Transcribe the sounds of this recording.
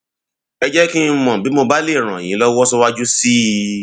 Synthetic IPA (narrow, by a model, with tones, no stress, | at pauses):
ɛ˧d͡ʒɛ˦ki˦mɔ̃˨bi˨˦mo˧ba˦le˦˨ɾ̃ã˨j̃ĩ˨˦lɔ˦wɔ˦sɔ˦wa˦d͡ʒu˦si˦